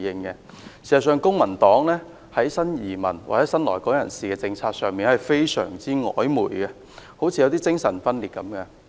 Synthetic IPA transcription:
jɪ˨ŋkɛ˧ | siː˨˩sɐ˨˩s̬œː˨˧ŋkʊ˥ŋmɐ˨˩nt̪ɔː˨˥ŋlɛː˥ | hɐ˨˥jsɐ˥njiː˨˩mɐ̰˨˩nwa̰˨˩hɐ˨˦jsɐ˥nlɔː˨˩jkɔː˨˥ŋjɐ˨˩nsiː˨kɛː˧t͡sɪ˧ŋt͡sʰaː˧k̚sœː˨ŋmiː˨˩nhɐ˨jfe˥jsœ̰ː˨˩ŋt͡siː˥ŋɔ̰ː˨˥jmuː˨˩jkɛ˧ | ho˨˥wt͡sʰi˧jwt̪iː˥t͡sɪ˥ŋsɐ˨˩nfɐ˥nliː˨t̚kɐ˨˥mɡɛ˧

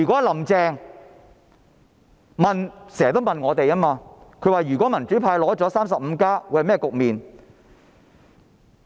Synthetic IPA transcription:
yː˨kɔ˨˥lɐ˨˩mt͡sɛː˨˧ŋ | mɐ˨nsɛː˨˩t̪o˥wmɐ˨nŋɔː˨˧t̪e˨jaː˥maː˧kʰɵ˨˧ɥwaː˨jy˨˩kʷɔː˨˥mɐ˨˩nt͡ʃy˨˥pʰaː˧jlɔː˨˥t͡sɔː˨˥saː˥ms̬ɐ˨p̚m̩˨˧kaː˥wu˨˧jhmɛː˥kʊ˨k̚miː˨n

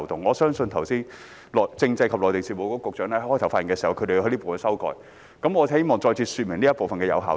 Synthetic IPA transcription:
t̪ʊ˨ŋːɔː˨˧sœː˥ŋsɵ˧nt̪ʰɐ˨˩wsiː˥n | lɔː˨˩jt͡sɪ˧ŋt͡sɐ˧jkʰɐ˨p̚lɔː˨jt̪e˨˩siː˨˩mo˨˧wkɔː˧˥kʊ˨˩k̚t͡ʃœː˨˥ŋ˧˥hɔː˥tʰwfa˧˥˨ŋkɛː˧siː˨˩hɐ˨˩kʰɾe˨jɦɐ˧˥nliː˥po˨˩wfɐ˨nsɐ˥wkɔ̰ː˧j | kɐ˨˥mŋɔ˨˧he˥jmɔː˨˩ŋt͡sɔː˧jt͡sʰiː˧syː˨t̚mɪ˨˩ŋliː˥ɐ˥po˨wfɐ˨nkɛː˧jɐ̰˨˧wɦaː˨

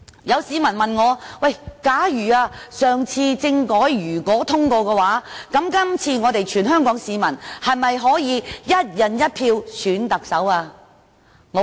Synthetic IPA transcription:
jɐ˨˧wsiː˨˧mɐ˨˩nmɐ˨nŋɔː˨˧wɐ˥˨˩jkaː˨˥jyː˨˩aː˧sœː˨˩ŋt͡sʰiː˧t͡sɪ˧ŋkɔː˨˥jjyː˨˩kɔː˨˥t̪ʰʊ˥ŋkɔː˧kɛː˧waː˨˥kɐ˨˥mkɐ˥mt͡sʰiː˧ŋɔː˨˧t̪e˨jt͡ʃʰyː˨˩nɦœː˥ŋkɔː˨˥ŋsiː˨˧mɐ˨˩nhɐ˨jmɐ˨jɦɔː˨˥jiː˨˧jɐ˥t̚jɐ˨˩njɐ˥t̚pʰiː˧wsyː˨˥nt̪ɐ˨k̚sɐ˨˥waː˧ | ŋɔ˨˧

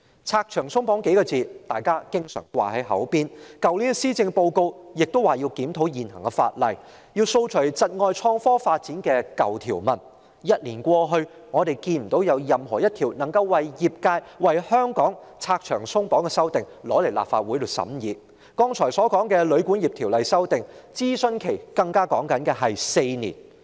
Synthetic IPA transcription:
t͡sʰaː˧k̚t͡ʃʰœː˨˩ŋsʊ˥ŋpɔː˨˥ŋke˨˥jkɔː˧t͡siː˨˧t̪aː˨jkaː˥kɪ˥ŋsœ̰ː˨˩ŋkwa̰ː˨˩hɐ˨˥jɦɐ̰˨˥wpiː˥˧nkɐ˨wli˨˥nsiː˥t͡sɪ˧ŋpo˧wko˧wjɪ˨k̚t̪o˥waː˨˩ji˧wkiː˨˥mt̪ʰo˨˥wjiː˨˩nɦɐ˨˩ŋkɛ˧fa̰ː˧t̚lɐ̰˨˩j | jiː˧wso˧wt͡ʃʰɵ˨˩t͡sɐ˨t̚ŋɔː˧jt͡ʃʰɔː˧ŋfɔː˥faː˧t̚t͡siː˨˥nkɛː˧kɐ˨wt̪ʰiː˨˩wmɐ˨˩n | jɐ˥t̚liː˨˩nkʷɔː˧ɦɵ˧ | ŋɔː˨˧t̪e˨jkiː˧nm̩˨˩t̪o˨˥wjɐ˨˧wjɐ˨mɦɔː˨˩jɐ˥t̪̚ʰiː˨˩wnɐ˨˩ŋkɐ˧wwɐ˨jjiː˨p̚kaː˧jwɐ˨˩jhœː˥ŋkɔː˨˥ŋt͡sʰaː˧k̚t͡ʃʰœː˨˩ŋsʊ˥ŋpɔː˨˥ŋkɛ˧sɐ˥wt̪ɪ˨ŋlɔː˨˥le˨˩jla̰ː˨p̚fa̰ː˧t̚wu˨˥jlo˨˩sɐ̰˨˥mjiː˨˧ | kɔː˧˥ŋt͡sʰɔː˨˩jsɔː˨˥kɔː˨˥ŋkɛː˧lɵ˨˧ɥkuː˨˥nji˨p̚t̪ʰiː˨˩wlɐ˨˧jsɐ˥wt̪ɪ˨ŋt͡siː˥sɵ˥˧nkʰe˨˩jkɐ˧ŋkaː˥kɔː˨˥ŋkɐ˨˧˥nkɛː˧ɦɐ˨jse˧jnḭː˨˩n

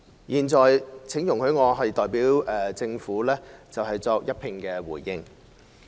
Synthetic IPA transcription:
jiː˨˩nt͡sɔː˨jt͡sʰɪ˨˥ŋjʊ˨˩ŋkʰɵ˨˧ɥŋɔː˨˧ɦɐ˨jt̪ɔː˨jpiː˨˥wɛː˨˩t͡sɪ˧ŋfuː˨˥lɛː˥t͡sɐ˨wɦɐ˨jt͡sɔː˧k̚jɐ˥t̚pʰɪ˨ŋkɛː˧wuː˨˩jːɪ˧ŋ

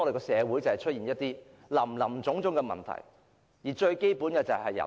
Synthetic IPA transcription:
ɔ˨de˨kɔː˧sɛː˨˧wu˨˥jt͡sɐ˨˩hɐ˨jt͡ʃʰɵ˥t̚jiː˨˩njɐ˥t̚t̪iː˥ | lɐ˨˩mlɐ˨˩mt͡sʊ˨˧˥ŋt͡sʊ˨˥ŋkɛ˧mɐ̰˨˩nt̪ʰɐ̰˨˩j | jiː˨˩t͡ʃɵ˧ɥke˥jpuː˨˥nkɛː˧t͡sɐ˨hɐ˨jjɐ̰˨˩

